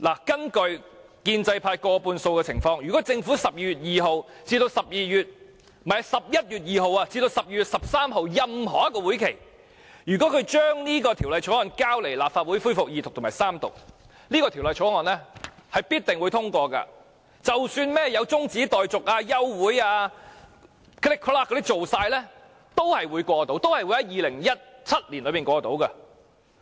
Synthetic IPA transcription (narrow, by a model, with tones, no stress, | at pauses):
la̰ː˨˩kɐ˥nkɵ˧ɥ | kiː˧nt͡sɐ˧jpʰaː˧jkɔː˧puː˧nso˧wkɛ˧t͡sʰɪ˨˩ŋfɔː˧ŋjyː˨˩kɔː˨˥t͡sɪ˧ŋfu˨˥sɐ˨p̚jiː˧jyː˨˩t̚jiː˨ɦo˨wt͡siː˧t̪o˧wsɐ˨p̚jiː˧jyː˨t̚ | mɐ˨jɐsɐ˨p̚jɐ˥t̚jyː˨t̚jiː˨ɦo˨waː˧t͡siː˧t̪o˧wsɐ˨p̚jiː˧jyː˨t̚sɐ˨p̚saː˥mɦo˨˧wjɐ˨mɦɔː˨˩jɐ˥tkːɔː˧wu˨˥jkʰe˨˩j | jyː˨˩kɔ˨˥kʰɵ˨˧ɥt͡ʃœː˥ŋniː˥kɔː˧t̪ʰi˨˩wlɐ˨˧jt͡ʃʰɔː˨˥ŋɔː˨˩nkaː˥wle˨˩jla̰ː˨pfaː˧t̚wu˨˥jfuː˥jfʊ˨k̚jiː˨t̪ʰʊ˨k̪̚ʰʊ˨˩maː˨˩jsaː˥mt̪ʊ̰˨k̚ | niː˥kɔː˧t̪ʰi˨˩wlɐ˨jt͡ʃʰɔː˨˥ŋɔː˨˩nlɛː˥hɐ˨˩jpiː˥t̚t̪ɪ˨ŋwu˨˧jt̪ʰʊ˥ŋkʷɔː˧kɐ̰˧ | t͡sɐ˨wsyː˧nmɛː˥jɐ˨˧wt͡sʊ˥ŋt͡siː˨˥t̪ɔː˨jt͡sʊ˨k̚aː˧jɐ˥wːuː˨˥jaː˧ | klɪ˥kʰːlaː˥kːɔ˧t̪i˥t͡ʃo˨wsaː˧jlɛː˥ | t̪o˥whɐ˨jwuː˨˧jkʷɔː˧t̪o˨˥wt̪o˥whɐ˨jwu˨˧˥hɐ˨˦jiː˨lɪ˨˩ŋjɐ˥t̚t͡sʰɐ˥t̚liː˨˩nlɵ˨˧ɥmiː˨nŋkʷɔː˧t̪o̰˨˥wkɐ˧